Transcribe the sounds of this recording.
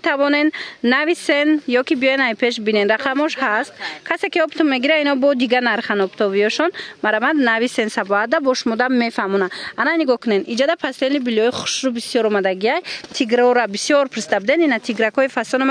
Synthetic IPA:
t̪ʰavɔnenːavisenjɔkibijɔjenajpʰe̞ʃbinenɾaqʰamɔʃhast̪kʰase̞kiɔbt̪umme̞ɡiɾainɔbɔd̪iɡanaɾχanɔpt̪ʰɔviɔʃɔnmaɾamad̪navisensabɔɦat̪̚d̪abɔʃumɔd̪amːefamunaanajniɡɔhkʰunenid͡ʒad̪apʰast̪enibilɔiχu̥ʃɾubisijɔɾɔmad̪aɡiajt̪ʰiɡɾɔɾabisijɔɾpʰɾisd̪abid̪eninat̪ʰiɡɾakʰɔifasɔnama

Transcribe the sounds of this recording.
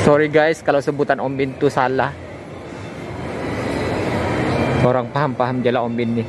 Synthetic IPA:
sɔɾiɡajskalawsəbut̪anɔmbɪnt̪usalah | oɾaŋpaɦampaɦamd͡ʒalaɔmbɪnːɪ

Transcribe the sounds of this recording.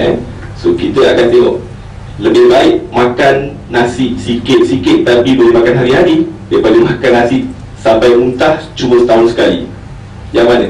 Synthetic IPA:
ɛ̰n | sokit̪əakant̪eɦɔʔ | ləbɪhbaɪʔmãkanː | asiʔsikɪt̪̚sikɪt̪̚t̪apibolemakanɦaɾiɦaɾidiəpaliŋmakanːasɪʔ | sampajmunt̪aht͡ʃubəsə̥t̪aɦʊnsə̥kalḭ | d͡ʒaman

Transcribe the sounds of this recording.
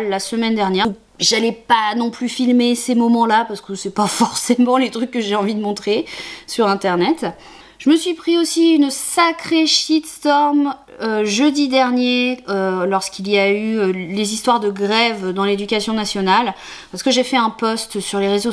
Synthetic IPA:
lːasəmɛnd̪ɛʁnjɛʁu | ʒalɛpanɔ̃plyfilmesemɔmɑ̃lapaʁsə̥kəsɛpafɔʁsemɑ̃let̪χykːəʒeɑ̃vid̪əmɔ̃t̪χesyʁɛ̃t̪ɛʁnɛt̪ | ʒ̥əməsɥipχiosiynsakχeʃit̪st̪ɔʁm | øʒød̪id̪ɛʁnjeølɔʁskilijayølezist̪waʁd̪əɡʁɛvd̪ɑ̃led̪ykʲasjɔ̃nasjɔnal | paʁsə̥kəʒefɛɛ̃pɔst̪syʁleʁezo

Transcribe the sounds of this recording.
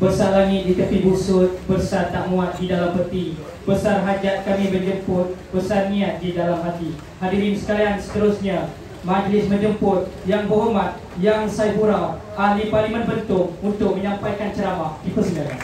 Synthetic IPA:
bərsaʔlaŋɪt̪̚dit̪əpibusʊt̪̚bərsart̪aʔŋũat̪̚didalampərt̪i | bəsarɦad͡ʒat̪̚kamĩbənd͡ʒəmpʊt̪̚bəsarnĩat̪̚didalamɦat̪i | ɦadiɾinsə̥kaliansə̥t̪əɾʊsɲa | mad͡ʒlɪsmə̃nd͡ʒəmpʊt̪̚jaŋbəɦomãt̪̚ | jaŋsajpuɾaw | ʔahliparlimə̃nbənt̪ʊk̚unt̪ʊk̚məɲãmpajkant͡ʃəɾamahdipəsnə

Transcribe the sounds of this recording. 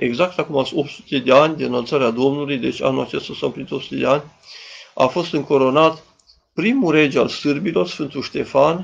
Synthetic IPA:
e̞ɡzak̚t̪akumaso̞pt̪su̥t̪e̞d̪e̞anʲd̪inalt̪saɾead̪o̞mnulujd̪e̞t͡ʃʲa̰nulat͡ʃe̞st̪asampɾinit̪o̞psu̥t̪ed̪eanʲ | a̰fo̞st̪ɨŋko̞ɾo̞nat̪ | pɾimuɾe̞d͡ʒalsɨrbilo̞rsfɨnt̪uʃt̪e̞fan

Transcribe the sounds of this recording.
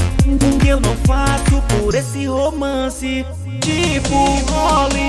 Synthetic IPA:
ɡũkɪewnɐ̃w̃fasʊpoɾesɪɦomɐ̃sɪ | d͡ʒivuvɔli

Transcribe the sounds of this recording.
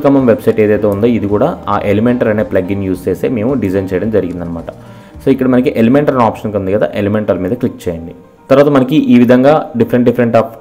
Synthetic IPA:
kɐmɐmʋebsɐjʈeːd̪ɐjt̪eːund̪oːid̪ikuːɽaːaːʔelimeɳʈɐɾɐne̞ːplɐɡinjuːst͡ʃeːst̪ḛːme̞ːmuɖizɐjnt͡ʃɛːjɐɽɐmd͡ʒɐɾiɡind̪ɐnːɐmaːʈɐ̥ | soːikːɐɽɐmɐnɐkiʔelimeɳʈɐɾɐnaːpʂɐnkund̪iɡɐd̪a̰ːʔelimeɳʈɐɾmiːd̪ɐklikːt͡ʃeːjɐɳɖi | t̪ɐɾuʋaːt̪ɐmɐnɐkiʔiːʋid̪ʱɐŋɡaːɖipʰɐɾeɳʈ̚ɖipʰɐɾeɳʈaːp

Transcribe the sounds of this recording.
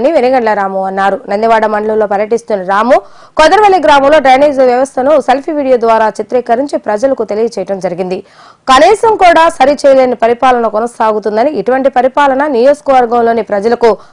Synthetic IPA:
niʋenɐɡɐɳlɐɾaːmuɐnːaːɾunɐnd̪iʋaːɽɐmɐɳɖɐlulːo̞ːpɐɾjɐʈist̪unːɐɾaːmuː | kɔd̪ɐɾɐʋɐlːiɡɾaːmɐmlo̞ːɖaːniːd͡ʒʋjɐʋɐst̪ʰɐnuselpʰiʋiːɽijoːd̪ʋaːɾaːt͡ʃit̪ɾɛːkɐɾiɲt͡ʃipɾɐd͡ʒɐlɐkut̪e̞lijɐt͡ʃɛːjɐʈɐmd͡ʒɐɾiɡind̪i | kɐniːsɐmkuːɽaːsɐɾit͡ʃɛːjɐleːnipɐɾipaːlɐnɐkɔnɐsaːɡut̪̬und̪ɐniiʈuʋɐɳʈipɐɾipaːlɐnɐnijo̞ːd͡ʒɐ̥kɐʋɐɾɡɐmlo̞ːnipɾɐd͡ʒɐlɐku

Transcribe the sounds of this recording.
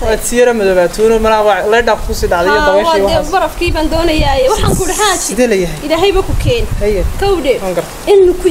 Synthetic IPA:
aːsɪjɐɾɐmɔðɔːβaːt̪ʰɔnɔmɐnaːwɑʕlɛjɖaːfkʰʊsiːɖɑʕd̪ɛjɔd̪ɐmɛjwwd̪ɛbɐɾɐfkʰiːβaːnd̪ɔːnɐjaːɛwɑħɑːŋkʰʊjɽɪɦaːt͡ʃɪd̪ɛlɐjɐɦɛjɪlaːɦɛjβɐkʰʊkʰɛːnhɐjɛkʰɐwɖɛːwaːŋɡɐrt̪ʰɐɪnːʊkʰʊ

